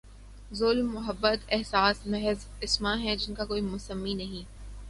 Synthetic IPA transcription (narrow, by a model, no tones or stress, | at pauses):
zʊːlmːʊɦəbːət̪ɛɦsaːsmɛɦz | ɪsmãɦɛ̃d͡ʒɪnkakoːimʊsəmːinɐɦĩː